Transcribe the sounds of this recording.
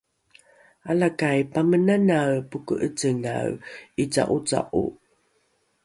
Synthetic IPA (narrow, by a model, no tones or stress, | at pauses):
alakajpamənanawpukuʔət͡səŋa̰wit͡sa̰ʔut͡sa̰ʔṵ